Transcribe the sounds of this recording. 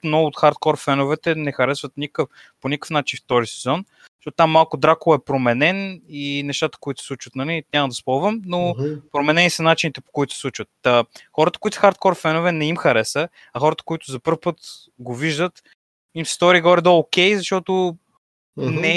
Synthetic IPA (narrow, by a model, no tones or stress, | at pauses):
mnɔɡʊːt̪xaɾt̪̚kɔɾfɛnʊvɛt̪ɛnɛxɐɾɛsvət̪nʲikəf | ponʲikəfnat͡ʃinft̪ɔɾisɛzɔn | ʃtɔt̪ʊt̪amːalˠkʊd̪ɾakʊlˠɛpɾomɛnɛninɛʃt̪at̪ə̥koit̪sɛslˠut͡ʃvət̪nɐlinʲamɐd̪ɐspɔlˠvəmnopɾomɛnɛnisɐnat͡ʃinit̪ɛpo̥koit̪ʊ̥sɛslˠut͡ʃvət̪əxɔɾət̪ə̥koit̪səxaɾt̪̚kɔɾfɛnʊvɛnɛimxɐɾɛsə | ɐxɔɾət̪ə̥koit̪ʊzɐpɤɾfpɤt̪ | ɡoviʒd̪ət̪ | imsɛ̥st̪ɔɾiːɡɔɾid̪oːkʲɛjzɐʃt̪ɔt̪ʊ | nnɛ